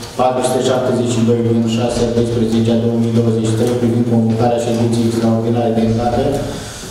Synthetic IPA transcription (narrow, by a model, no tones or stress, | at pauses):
pat̪ɾusu̥t̪eʃap̚t̪ezeʃid̪ojɡivind̪ʃaseat̪espɾezet͡ʃʲad̪owəmijd̪owəzet͡ʃi̥t̪ɾejpɾivind̪̚komvokaɾeaʃed̪inseisɡaut̪ilaɾed̪enzat̪e